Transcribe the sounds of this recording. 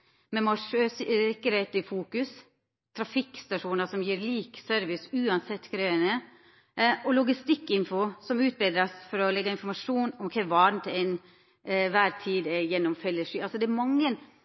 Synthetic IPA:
mɛmɑʂøːsɾɛkːəɾhɛɪt̪ɪfuːkʉs | t̪ʰɾɑfɪkst̪ɑʂuːnəsɔmjiːɾliːksœɾʋɪsʉːɑnsɛt̪ːkʰɾøːənə | ʔɔlʊɡɪst̪ɪkːɪnfʊsɔmʉːt̪̚bɛd̪ɾɑsfɔɾɔlɛɡːɑɪnfɔɾmɑʂuːnɔmkʰɛʋɑːɾn̩t̪ʰɪɛn | ʋæːɾt̪ʰiːd̪ɛjɛnːɔmfɛlːəʂyːʔɑlsɔd̪ɛæɾmɑŋːən

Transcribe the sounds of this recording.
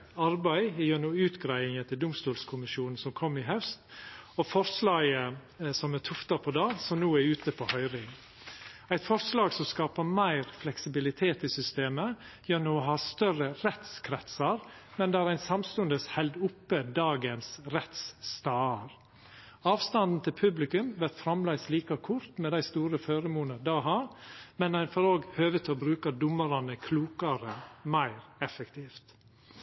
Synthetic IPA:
ɑɾbæɪɪjøːnuːʉːt̪ɡɾæɪɪŋət̪ʰɪld̪ʊmst̪uːlskʰʊmɪʃjuːnn̩sɔmkʰɔmːɪɦœst̪ɔfɔɾslɑːɡə | sɔmæt̪ʰʊft̪ɑpʰɔd̪ɑːsɔmnuːæʉːt̪əpʰohœʏɾɪŋ | æɪt̪fɔɾslɑːɡsɔmskɑːpəɾmæɪɾflɛksɪbɪlɪt̪ʰeːt̪ɪsʏst̪eːməjøːnuːɔɦɑːst̪œrəɾɛt̪skʰɾɛt̪sɑɾ | mɛnd̪ɛæɾæɪnsɑmst̪ʉnd̪əshɛld̪ʊpːəd̪ɑːɡənsɾɛt̪sːt̪ɑːɑɾ | ɑːʋst̪ɑnd̪n̩t̪ʰɪlpʰʉblɪkʉmʋæɾt̪fɾɑmlæɪsliːkɑkʰʊɾt̪mɛd̪æɪst̪uːɾəføːɾəmuːnəd̪ɑːɦɑːɾmɛnæɪnfɔɾoːɡhøːʋət̪ʰɪɔbɾʉːkɑd̪ʊməɾɑnəkʰluːkɑɾəmæɪɾɛfəkt̪ʰiːft̪

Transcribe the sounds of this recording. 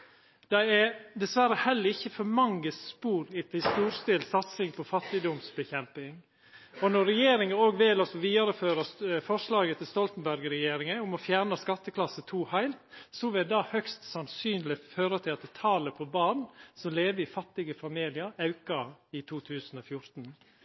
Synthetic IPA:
d̪̥ɛɪɛd̪ɛsʋæɾəhɛlːəɾɪçːəfɔɾmɑŋːəspuːɾɪt̪ʰɪlst̪uːɾst̪ɪlsɑt̪sɪŋpʰɔfɑt̪ːɪd̪ɔmsbəçɛmpɪŋ | ɔnɔɾɛjeːɾɪŋənoːɡʋɪlɔsɔʋiːd̪ɑɾəføːɾɑfɔʂlɑːɡət̪ʰɪlst̪ɔlt̪n̩bæɾɡɾɛjeːɾɪŋəʊmɔfjæːɾɳɑskɑt̪ːəkʰlɑsət̪ʰuːhæɪlt̪sɔʋɪld̪ɑhœkst̪sɑnsyːnlɪføːɾət̪ʰɪlɑt̪ɛt̪ʰɑːləpʰɔbɑːnsɔmleːʋəɪfɑt̪ːɪɡəfɑmiːlɪəɾɑʉkɑɪt̪ʰuːt̪ʰʉːsən̩ɔfjʊɾt̪n̩

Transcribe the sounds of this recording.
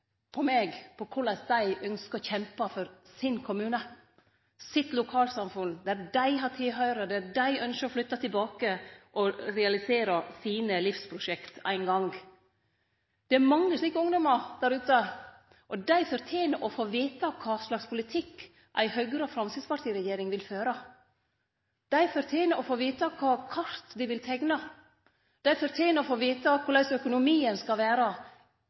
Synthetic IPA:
pʰɔmeːɡpʰɔkʰʊlɭɑsd̪æɪʔœnskəɾɔçɛmpɑfɔɾsɪnkʰʊmʉːnə | sɪt̪lʊkʰɑːlsɑmfʉnd̪æɾdæɪɦɑt̪ʰɪlɦœʏɾəd̪ææɖæɪʔœnʃəɾɔflʏt̪ːɑt̪ʰɪlbɑːkəʔɔɾɛɑlɪseːɾɑsiːnəlɪfspʰɾʊʂɛkt̪æ̰ɪnɡɑŋ | d̪̥ɛæɾmɑŋːəsliːkəʊŋd̪ɔmɑɾd̪æɾʉːt̪ə | ʔɔd̪æɪfɔɾt̪ʰjeːnəʔɔfoːʋiːt̪ɑkʰɑːslɑkspʰʊlɪt̪ʰɪkː | ʔæ̰ɪhœɡɾəfɾɑmsɪd̪spʰɑʈ̪ʰiːɾɛjeːɾɪŋʋɪlføːɾə | d̪̥æɪfɔɾt̪ʰjeːnəʔɔfoːʋiːt̪ɑkʰɑːkʰɑɾt̪d̪ɪʋɪlt̪ʰɛɡnɑ | d̪̥æɪfɔɾt̪ʰeːnəɔfoːʋiːt̪ɑkʰʊɾlæɪsœkʊnʊmiːənskɑlʋæːɾə

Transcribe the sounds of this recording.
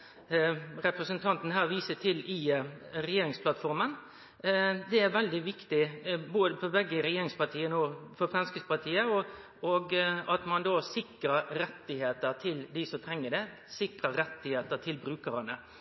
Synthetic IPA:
ɾɛpɾəsənt̪ʰɑnt̪n̩hæːʁʋiːsət̪ʰɪlɪɾɛjeːɾɪŋspʰlɑt̪fɔɾmən | d̪ɛæɾʋɛld̪ɪʋɪkt̪ɪboːd̪əpʰɔbɛɡːəɾɛjeːɾɪŋspɑt̪ʰiːənoːfɔɾfɾɑnskəspɑʈ̪ʰiːəɔ | ɔɡɑt̪mɑnd̪oːsɪkɾəɾɾɛt̪ːɪheːt̪əɾt̪ʰɪld̪ɪsɔmt̪ʰɾɛŋːəɖ̪ɛ | sɪkɾəɾɛt̪ːɪheːt̪ət̪ʰɪlbɾʉːkəɾɑnə

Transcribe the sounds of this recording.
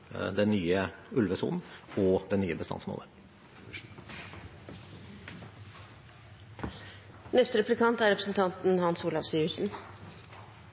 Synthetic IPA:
d̪ɛnːyːəʉlʋəsṵːnn̩ɔd̪ɛnyːəbəst̪ɑ̰nsmo̰ːlə | nɛst̪əɾɛplɪkʰɑnt̪æɾɛpɾə̥sn̩t̪ʰɑnt̪n̩hɑnsuːlɑfst̪yːʉsn̩

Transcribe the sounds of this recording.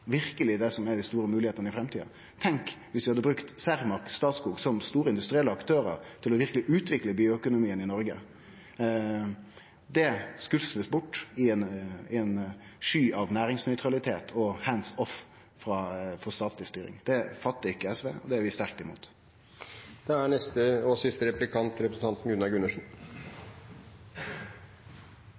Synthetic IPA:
ʋɪɾkəlɪd̪ɛsɔmæd̪æst̪uːɾəmʉːlɪheːt̪ənəɪfɾɛmt̪ʰiːd̪ɑ̰ | t̪ʰɛŋkʋɪsʋ̪ɪhɑd̪ːəbɾʉkt̪sæʁmɑɾkst̪ɑːt̪skuːɡsɔmst̪uːɾəɪnd̪ʉst̪ɾɪɛlːəɑkt̪ʰøːɾə̰ɾt̪ʰɪlɔʋɪɾklɪʔʉːt̪ʋɪkləbiːʊœkʊnʊmiːənɪnɔɾɡə | d̪ɛskʉlsləsbʊʈːɪnɪɛnʂyːʔɑʋnæːɾɪŋsnœʏt̪ɾɑlɪt̪ʰeːt̪ʰɔhænsɔf | fɾɑːfɔst̪ɑːt̪ʰlɪst̪yːɾɪ̰ŋd̪̥ɛfɑt̪ːəɪkːəɛsʋḛːɔ̰d̪ɛæɾʋɪst̪æʁk̚t̪ɪmṵːt̪ | d̪̥ɛænɛst̪əoːsɪst̪əɾɛplɪkʰɑnt̪ɾɛpɾəsn̩t̪ɑnt̪n̩ɡʉnɑɾɡʉnəʂn̩

